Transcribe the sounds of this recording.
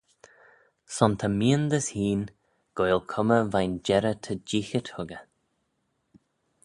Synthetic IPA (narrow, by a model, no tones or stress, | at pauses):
sɔnt̪ʰəmiːənd̪əshiːn | ɡ̥ojlkʰʊməvajnd͡ʒɛɾət̪ʰəd͡ʒixət̪hʊɡə